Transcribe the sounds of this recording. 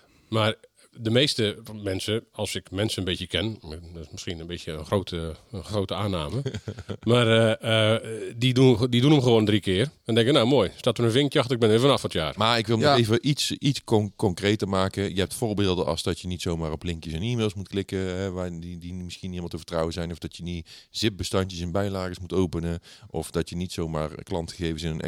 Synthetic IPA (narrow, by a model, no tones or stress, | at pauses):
mar | dəmeːstəmɛnsəɔlˠsɪkmɛnsəənbeːtjəkɛndɔɪsmɪskinənbeːsjəənxroːtəxroːtəaːnaːməmarədidudidunəmxəʋoːndrikɪərɛndɛŋkənawmoːjstatərənvɪŋkjɔxtəɪɡ̚bɪnʋɪfɔnafɔtja̰ːrmaɪkʋɪlˠneːvəʔisitskɔkɔŋkrejtərmaːkəjəɦɛp̚tfoːɹbɪːlˠdəʔɑ̰sdɔtjənitsowmaːrɔplɪŋkjəsɛnimeːlˠsmutklɪkəɦɛʋadidimɪsxiəniɪmlˠtəvərtrɑwəzɛjnɔfdɔtjəniz̥ɪp̚bəstɔntjəsɛnbɛjlaːɣəsmutowpənəʔɔfdɔtjənitsoːmaːrklɑntxəɣeːvənsɪnənɛ̰